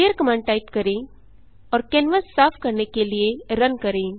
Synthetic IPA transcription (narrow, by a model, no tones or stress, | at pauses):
ejəɾkɐmãːɳɖ̚ʈaɪpkɐɾẽ | ɔːɾkɛ̃ːnʋəsːaːpʰkɐɾnekelieɾənkɐɾẽː